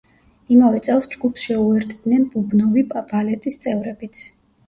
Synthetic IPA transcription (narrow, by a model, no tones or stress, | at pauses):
imavɛt̪sʼɛlˠsd͡ʒɡupʰsʃɛuɛɾt̪ʰd̪nɛnbʼubnɔvibalɛt̪ʼist̪sʼɛvɾɛbit̪sʰ